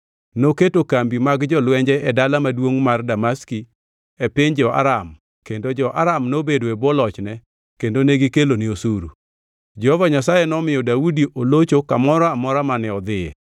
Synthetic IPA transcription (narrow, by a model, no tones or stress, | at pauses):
noketokambimaɡd͡ʒɔlwɛɲd͡ʒɛʔɛdalamadwoŋmardamaski | ɛpɪɲd͡ʒɔa̰ɾam | kendod͡ʒɔʔaɾamnobedoebɔlɔt͡ʃnɛ | kendoneɡikeloniosuɾṵ | d͡ʒɛhɔvaɲasajɛnɔmɪjɔdaudiʔolot͡ʃokamɔɾɔamɔɾamanɛɔd̪ɪɛ̰